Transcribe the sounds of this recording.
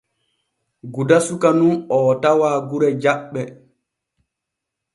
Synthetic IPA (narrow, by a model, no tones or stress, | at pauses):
ɡudasukanunɔtawaːɡuɾɛd͡ʒaɓːɛ